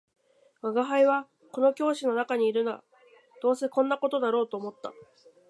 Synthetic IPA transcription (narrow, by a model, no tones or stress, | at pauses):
ɡaɡaɦaiβa | ko̞no̞kʲo̞ːɕino̞nakaɲ̟iːɾɯ̟noa̰ | d̪̥o̞ːse̞kõ̞nːako̞t̪o̞d̪aɾo̞ːt̪o̞ːmo̞t̪ːa